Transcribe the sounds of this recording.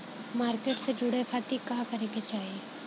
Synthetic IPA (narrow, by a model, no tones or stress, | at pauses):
maːɾkeːʈsed͡ʒʊɽepʰat̪ikaːkɐɾeːɡet͡ʃaːɦie